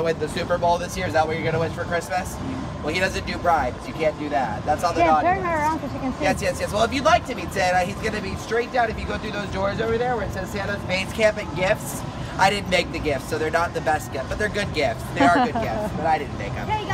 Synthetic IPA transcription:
əwɪ̃nðɨsʉpə˞boʊlˠðɪsjɪɹɨzðət̚wə˞jə˞ɡʌñɨwɪ̃nfə˞kʰɹ̥ɪsmɨs | wɛlˠiɾʌzɨ̃nd̥ɨbɹaɪ̃djɨkʰæ̃nd̥ɨðæt̚ðætsɔlˠðɔə˞æ̃sɨʃiknsjɛsjɛsjɛswɛlˠɨfjɨlaɪk̚tʰɨbisẽʌizɡʌnɨbistɹ̥eɪt̚d̥ãʊ̃nɨfjɨɡoʊθɹʉðoʊzdɔɹzoʊvə˞ðə˞wə˞ɨtsɛz̥sæ̃nʌzbẽɪ̃z̥kʰæ̃mpɨ̃nɡɪfts | aɪɾɪdⁿn̩meɪk̚ðɨɡɪftsoʊðə˞nət̪̚ðɨbɛst̚ɡ̥ɪf̚b̥ʌt̪̚ðə˞ɡʊd̚ɡɪftsðə˞ə˞ɡʊd̚ɡɪftsb̥ʌɾaɪɾɪdⁿn̩meɪkɨ̰̃m

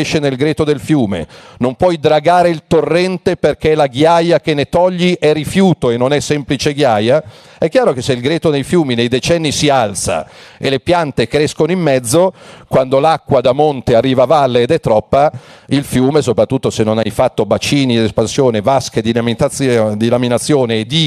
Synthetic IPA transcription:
eʃːenelɡɾeːt̪od̪elfjuːmḛnompwɔjd̪ɾaɡaːɾeilt̪orːɛnt̪eperk̟elaɡjajak̟enet̪ɔʎːiʔɛrifjuːt̪oenːonɛsːɛmplit͡ʃeɡjaːja | ɛkːjaːɾokeseilɡɾeːt̪od̪ejfjuːminejd̪et͡ʃɛnːisialt̪sa̰ḛlepjant̪ekɾɛskonoimːɛd̪zːokwand̪olakːwad̪amont̪earːiːvavalːeːd̪ɛt̪ːɾɔpːailfjuːmesopɾat̪ːut̪ːosenːonajfat̪ːobat͡ʃiːnid̪espansjoːnevasked̪iamit̪ad̪ilaminat̪sːjoːneːd̪i

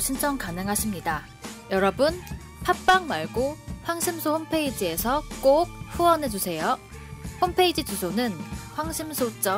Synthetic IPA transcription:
ɕʰint͡ɕʰʌŋkanɯŋɦaɕʰimɲida | jʌɾʌbun | pʰak̚p͈aŋmaɭɡoɸwaŋɕʰimsʰohompʰe̞id͡ʑie̞sʰʌk͈ok̚ɸuwʌnɦe̞d͡ʑusʰe̞jo | ɸompʰe̞id͡ʑit͡ɕusʰonɯnɸwaŋɕʰimsʰot͡ɕ͈ʌ

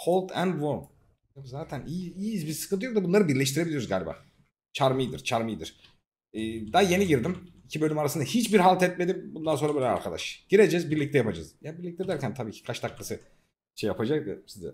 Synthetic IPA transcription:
hʰolˠt̪ʰæ̰nd̪voɾm | emzaːt̪ʰæniiːzbiɾsɯ̥kɯnt̪ɯjok̚d̪abunˠaɾɯbiɾlʲɛʃt̪iɾeilʲiɾuzɡaːlʲiba̰ː | t͡ʃʰaɾmɯjd̪iɾt͡ʃʰaɾmɯjd̪iɾ̥ | ɛːd̪aje̞niɟiɾd̪imicʰibølʲymaɾasɯnahit͡ʃbiɾɦalˠt̪ɛt̪̚med̪imbund̪ansonɾabelʲɛa̰ɾkʰad̪a̰ʃɟ̥iɾe̞d͡ʒɛzbiɾlʲic̚t̪ɛjapad͡ʒa̰zjabiɾlʲic̚t̪ʰɛd̪æɾcʰænt̪ʰabiːcʰi̥kʰaʃt̪ʰaklˠasɯ | ʃejːapʰad͡ʒakja̰sizɛ̰

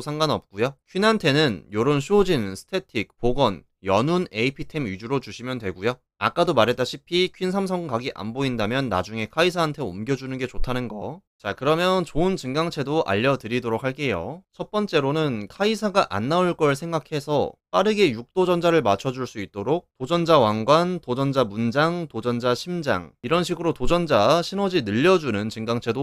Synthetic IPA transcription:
sʰaŋɡanʌp̚k͈ujokʰɥinantʰe̞nɯnjoɾonɕʰuod͡ʑinsʰɯ̥tʰe̞tʰik̚p͈oɡʌn | jʌnune̞ipʰitʰe̞mid͡ʑuɾot͡ɕuɕʰimjʌndwe̞ɡujo | a̰k͈adomaɾɦe̞t͈aɕʰipʰikʰɥinsʰamsʰʌŋkaɡiʔa̰nboindamjʌnːa̰d͡ʑuŋe̞kʰaisʰaːntʰe̞o̰mɡjʌd͡ʑunɯnɡe̞t͡ɕotʰanɯnɡʌ̰t͡ɕakɯɾʌmjʌnt͡ɕoɯnt͡ɕɯŋɡaŋt͡ɕʰe̞doʔa̰ʎːʌdɯɾidoɾok̚haɭk͈e̞jo̰t͡ɕʰʌt̚p͈ʌnt͡ɕ͈e̞ɾonɯnkʰaisʰaɡaʔa̰nːauɭk͈ʌɭs̬ʰe̞ŋɡakʰe̞sʰʌp͈aɾɯɡe̞juk̚t͈od͡ʑʌnd͡ʑaɾɯɭmat͡ɕʰʌd͡ʑuɭs͈uit̚t͈oɾok̚t͈od͡ʑʌnd͡ʑawaŋɡwantod͡ʑʌnd͡ʑamund͡ʑaŋtod͡ʑʌnd͡ʑaɕʰimd͡ʑa̰ŋiɾʌnɕʰiɡɯɾotod͡ʑʌnd͡ʑaɕʰinʌd͡ʑinɯʎːʌd͡ʑunɯnt͡ɕɯŋɡaŋt͡ɕʰe̞do

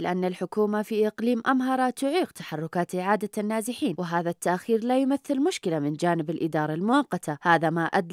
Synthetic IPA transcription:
lɪʔanːalħʊkuːmafiʔɪqliːmʔamɦɑɾˤɑt̪ʊʕiːqt̪ḁħɑrˤːʊkaːt̪ʔɪʕaːd̪anːaːzɪħiːnwɪɦaːðat̪ːaʔxiːɾlajʊmaθːɪlmʊʃkɪlamɪnd͡ʒaːnɪbɪlʔɪd̪ɑːɾˤɑlmʊwɑqːɑt̪ʰahaːðamaʔad̪

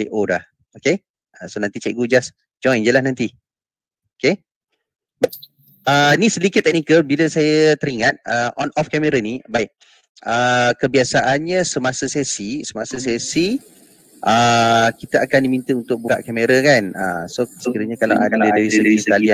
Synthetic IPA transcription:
eʔodah | oke | əsonant̪it͡ʃɛk̚ɡud͡ʒas | d͡ʒɔ̃ŋɛ̃ɲd͡ʒəlahnãnt̪i | oke | ba | ənisədikɪt̪ːɛk̚nikəlbiləsajət̪əɾiŋat̪̚əʔɔnʔɔfkɛmeɾanibaɪʔ | əkəbiasaʔanɲəsəmasəsesisəmasəs̬esi | ʔəkit̪əʔakandimint̪əunt̪ʊk̚bukaʔkɛmeɾakanə̰sosəkiɾəɲakala̰ʔadaədaɾisədisəkalia

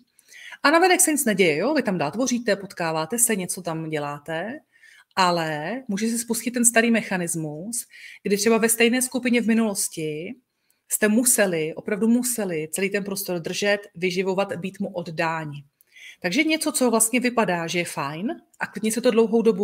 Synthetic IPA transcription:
ʔanavɛnɛksɛɲɪt͡snɛɟɛjɛjovɪt̪amdaːlt̪vo̞riːt̪ɛpo̞t̪kaːvaːt̪ɛsɛɲɛt͡so̞t̪amɟɛlaːt̪ɛ | ʔalɛmuːʒɛɛs̬ɛspuscɪt̪ːɛnst̪aɾiːmɛxanɪzmusɡ̥dɪt̪r̥ɛbavɛst̪ɛjnɛːskupɪɲɛvmɪnulo̞scɪ | st̪ɛmusɛlɪʔo̞pɾavdumusɛlɪtt͡sɛliːt̪ɛnpɾo̞st̪o̞rd̪r̩ʒɛt̪vɪʒɪvo̞vat̪biːt̪muʔo̞ddaːɲɪ | t̪aɡʒɛɲɛt͡so̞t͡sovlast̪ɲɛvɪpadaːʒɛjɛfajnʔaklɪdɲɛsɛt̪odlo̞wɦo̞wdo̞bu

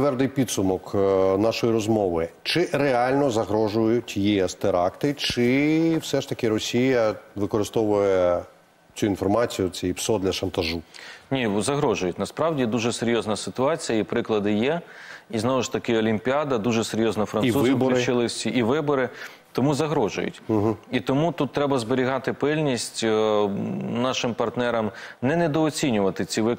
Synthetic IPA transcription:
ʋɛrd̪ɪjpʲid̪sʊmɔknɑʃɔjiɾɔzmɔʋɪt͡ʃɪʔɾeɑlʲnɔzɐɦɾɔʒʊjʊtʲjiɛst̪eɾɑkt̪ɪt͡ʃɪwsɛʃt̪ɐkɪɾɔsʲijɐʋɪkɔɾɪst̪ɔʋʊjɛ | t͡sʲuinfɔrmɑt͡sʲijʊt͡sʲɛjipsɔd̪lʲɐʃɐnt̪ɐʒunʲizɐɦɾɔʒʊjʊtʲnɐspɾɑwdʲid̪uʒɛseɾʲjɔznɐsɪt̪ʊɑt͡sʲijɐipɾɪklˠɐd̪ɪjɛiznɔʋʊʃt̪ɐkɪɔlʲimʲpʲiɑd̪ɐd̪uʒɛseɾʲjɔznɐfɾɐniuzmbit͡ʃɪlˠɪsʲiʔiʋɪbɔɾɪ | t̪ɔmuzɐɦɾɔʒʊ̰jʊ̰t̩ʲɦit̪ɔmut̪ut̪ːɾɛbɐzbeɾʲiɦɑt̪ɪpɪlʲnʲisʲtʲ | nɑʃɪmpɐrt̪nɛɾɐmnɛnɛd̪ɔɔt͡sʲinʲʊʋɐt̪ɪt͡sʲiʋɪ

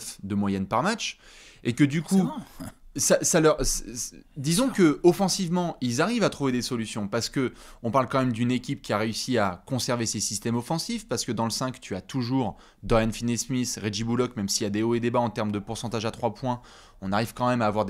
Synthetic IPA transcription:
fd̪əmwajɛnpaʁmat͡ʃ | ekəd̪yku | sasalœʁsd̪izɔ̃kəɔfɑ̃sivmɑ̃ilzaʁivat̪χuved̪esɔlysjɔ̃paʁsə̥kəɔ̃paʁlkɑ̃mɛmd̪ynekʲipkʲiaʁeysiakɔ̃sɛʁvesesist̪ɛmɔfɑ̃sifpaʁsə̥kəd̪ɑ̃ləsɛ̃kt̪ʰyat̪uʒuːʁ | d̪ɔjanfinesmisʁeʒibulɔkmɛmsiad̪eoed̪ebaɑ̃t̪ɛʁmd̪əpuʁsɑ̃t̪aʒat̪χwapwɛ̃ | ɔ̃naʁiv̥kɑ̃mɛmaːvwaʁd̪

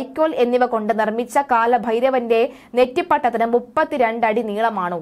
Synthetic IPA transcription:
jkʲːo̞ːle̞nːiʋɐko̞ɳɖɨnirmit͡ɕːɐkaːlɐbʱɐjɾɐʋɐnde̞ | netːipːɐʈːɐt̪ːinɨmupːɐt̪ːiɾe̞ɳɖɐɽiniːɭɐmaːɳɨː

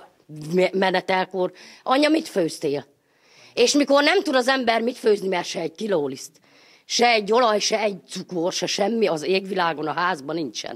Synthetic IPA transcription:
ɛmɛnɛt̪ɛlkorʔɒɲːɒmit̪føːst̪eːl | eːʃmiko̞rnɛmt̪ud̪ɒzɛmbɛrmit̪føːznimɛrʃɛɛɟ̚t̪iloːlist̪ | ʃɛɛɟːo̞lɒjʃɛɛɟ̚t̪sukorʃɛʃɛmːiɒzeːɡʋilaːɡo̞nɒɦaːzbɒniɲt͡ʃɛ̰n

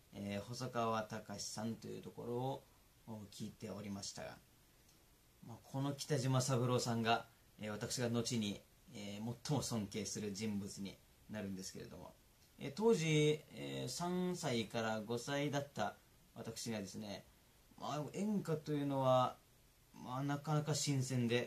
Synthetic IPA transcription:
eːho̞sokaβat̪akaɕi̥sãnt̪o̞̰jɯ̟̰t̪o̞ko̞̰ɾo̞ː | kʲiːt̪e̞o̞ɾʲimaɕi̥t̪a̰ɡa̰ | makʰo̞no̞kʲi̥t̪aʑimasabɯ̟ɾo̞ːsãŋɡa | eβ̞at̪akɯ̟̥ɕiɡano̞t͡ɕiɲ̟i | emo̞t̪ʰːo̞mo̞sõ̞ŋke̞ːsɨɾɯ̟ʑĩmbɯ̟t͡sɨɲ̟ḭ | naɾɯ̟̃nd̪esɨ̥ke̞ɾe̞̰d̪o̞̰mo̰ | ḛt̪o̞ːʑieːsãñsaikaɾaɡo̞said̪at̪ːa | βat̪akɯ̟̥ɕiɡad̪e̞sɨne̞ | mʔa̰ẽ̞ŋkat̪o̞jɯ̟no̞βa | manakanakaɕĩɰ̃sẽ̞nd̪e̞

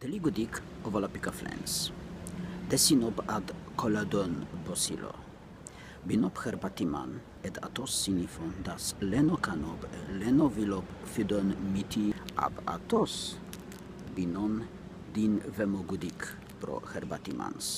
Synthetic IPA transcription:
d̪̥ɛliɡud̪ik | ovalapikaflɛ̰ns | d̪ɛsinɔpad̪kʰɔlad̪ɔnbɔsḭlo̰ | binɔpxɛɾbat̪ima̰n | ɛd̪a̰t̪ɔsːinifɔnd̪aslɛnokanɔblɛnovilɔpfyd̪ɔnmit̪ʰiʔa̰ba̰t̪os | binɔn | d̪invɛmɔɡud̪ik | pɾo̰xɛɾba̰t̪ima̰ns

